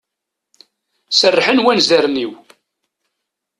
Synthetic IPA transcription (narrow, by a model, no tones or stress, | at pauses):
sərːħənwænzæɾniw